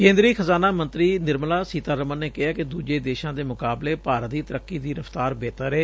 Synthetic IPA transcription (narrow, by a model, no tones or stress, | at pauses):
kẽːnd̪ɾiːxʰəzaːnaːmə̃nt̪ɾiːnɪɾməlaːsiːt̪aːɾəmənːeːkɪɦaːkɪd̪uːd͡ʒeːd̪eːʃãːd̪eːmʊkaːbleːpaːɾt̪iːt̪əɾəkːiːd̪iːɾəft̪aːɾbeːt̪əɾeː